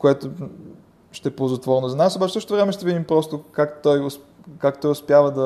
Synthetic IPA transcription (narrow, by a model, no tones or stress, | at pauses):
koɛt̪o | ʃt̪ɛpozɐt̪vɔɾnozɐnasobat͡ʃɛ̥sɤʃtot̪ovɾɛmɛʃt̪ɛvid̪impɾɔst̪okakt̪ɔjos | kakt̪ɔjʊspjavɐd̪ɐ